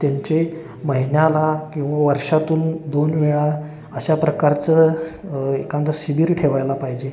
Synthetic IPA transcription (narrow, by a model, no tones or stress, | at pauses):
t̪jaɲt͡ɕe | məɦinjalakĩw̃ʋaʋəɾʂat̪uːnd̪onʋeɭa | əɕapɾəkaɾt͡sə | ekãnt̪əsibiːɾʈʰeʋajlapaɦid͡ʑe